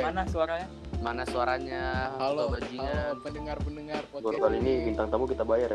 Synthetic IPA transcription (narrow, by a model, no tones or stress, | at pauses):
manasuaɾaa | manasuaɾaɲaobad͡ʒiɲaəŋarənəŋarɡuɾkaliːnibint̪aŋt̪amukit̪abajar